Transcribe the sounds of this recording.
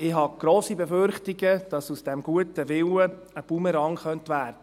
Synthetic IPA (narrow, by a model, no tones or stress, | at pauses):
ɪɦɑɡ̥ɾoːsibeføɾχtɪɡəd̥ɑsusd̥ɛmɡ̥uətəʋɪwə | əpuməɾɑŋχœntʋæːrd̥ə